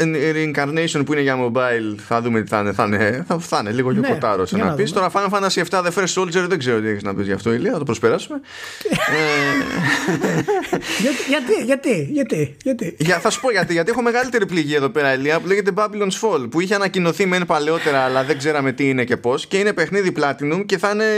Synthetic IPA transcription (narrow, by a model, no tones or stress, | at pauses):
ɾŋkɐɾnejsio̞npuine̞ʝɐmo̞bɐilθɐðumet̪i̥θɐ̰neθɐneθɐfθɐneliɣojokot̪ɐ̰ɾosenɐ̰pist̪o̞ɾɐfɐnefɐnd̪ɐsie̞ft̪ɐðefeɾsolzeɾðeɡze̞ɾot̪ieçeznɐ̰pizʝɐ̰ft̪o̞eliɐθɐt̪opɾo̞spe̞ɾɐsume | e | ɐʝɐt̪iʝɐt̪iʝɐt̪iʝɐt̪iʝɐθɐsu̥po̞ʝɐt̪iʝɐt̪iexome̞ɣɐlit̪e̞ɾipliʝiɐeðo̞pe̞ɾɐeliɐpuleʝe̞t̪̬e̞bɐbilonsfo̞lpuiçeɐnɐcino̞θimenepale̞o̞t̪e̞ɾɐːlɐðe̞ɡze̞ɾɐme̞t̪iine̞ce̞po̞sce̞ine̞pe̞xniðiplɐt̪inumce̞θɐne̞